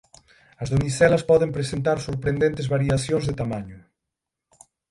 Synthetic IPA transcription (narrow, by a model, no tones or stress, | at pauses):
ɐzðomisɛlɐspɔðempɾesent̪aɾsoɾpɾend̪ẽnt̪ezβaɾiaθjoŋzðet̪amaɲʊ